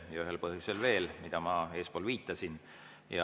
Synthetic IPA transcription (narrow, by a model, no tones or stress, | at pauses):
jɑyɦelpɤɦjuselve̞ːlmid̪̥ɑmɑe̞ːspo̞ːlviːt̪ːˑɑsin | jɑ